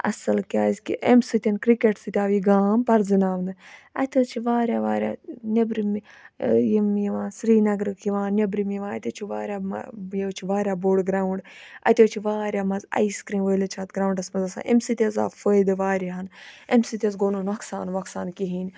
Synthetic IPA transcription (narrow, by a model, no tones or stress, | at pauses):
ɐ̰sɐlkʲaːzkḭʔemsit̪ʲɐnkɾikeʈsɨt̪ʲaːʋiɡaːmpɐɾzɨnaːʋnɨɐ̰t̪ʰɐt͡ʃʰiʋaːɾʲjaːʋaːɾʲja̰ːnʲɐbɾim | jimjiʋãːsɾiːnɐɡɾɨkʰjiʋãːnnʲɐbɾimjiʋãːɐt̪ʲit͡ʃʰiʋaːɾʲjaːmjet͡ʃʰiʋaːɾjaːboːɖɡɾaːuɳɖ | ɐ̰t̪ʲet͡ʃʰiʋaːɾʲjaːmɐzɐ̰iskɾĩːnʋəːlet͡ʃʰaːt̪ɡɾaːuɳɖɐsmɐzɐsa̰ːʔḛmsit̪ʲɐza̰ːfəjd̪ɨʋaːɾʲiɦɐnemsit̪ʲɐzɡoːnoːnɐksaːnʋɐksaːnkiɦiːnʲ